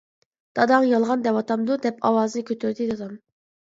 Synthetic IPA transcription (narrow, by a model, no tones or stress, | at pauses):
d̪̥ɑd̪ɑŋjɑlˠʁɑnd̪ɛpɑt̪ʰɑmd̪ud̪ɛpʰɑwɑːzɨnɨkʲʰøt̪ʰyɾd̪ɪd̪ɑd̪ɑm